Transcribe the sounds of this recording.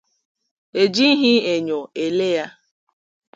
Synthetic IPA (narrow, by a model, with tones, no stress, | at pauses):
e˨d͡ʒi˦ɦi˦e˨ɲo˨e˨le˦ja˦